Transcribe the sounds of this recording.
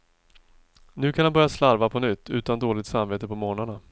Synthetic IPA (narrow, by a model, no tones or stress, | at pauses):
nʉ̟ːkʰanhanbœɾjaslaɾvapʰɔnʏt̪ʰːʉ̟̰ːt̪and̪oːlɪɡ̚t̪samveːt̪əpʰɔmoːɳana